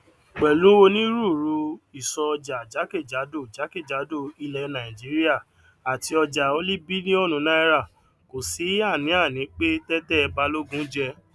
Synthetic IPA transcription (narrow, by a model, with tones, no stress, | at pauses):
k͡pɛ˨lũ˨˦wo˧nĩ˦ɾu˦˨ɾu˧i˨sɔ˧ɔ˧d͡ʒa˨d͡ʒa˨˦ke˦˨d͡ʒa˨˦do˦˨d͡ʒa˨˦ke˦˨d͡ʒa˨˦do˦˨i˧lɛ˧˦nã˨ĩ˨d͡ʒi˨˦ɾi˦a˦˨ | a˨ti˧ɔ˧d͡ʒa˨o˦li˦bi˦nĩ˦ɔ˦˨nũ˨˧˦nã˦i˧ɾa˦˨ | ko˨si˨˦a˦˨nĩ˨˦a˦˨nĩ˨˦k͡pe˦tɛ˦tɛ˦˧ba˧lo˦ɡũ˦d͡ʒɛ˧